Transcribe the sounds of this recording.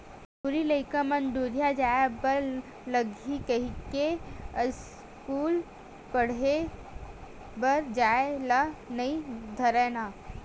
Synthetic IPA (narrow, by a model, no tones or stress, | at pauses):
pʊɾiləɪkamɐnd̪oːɾijad͡ʒaːebɐɾ | ləɡʱikɐɦikes | kuːl | pɐɽ̤e | bɐɾd͡ʒaːelanɐid̪ʱɐɾɛːnaː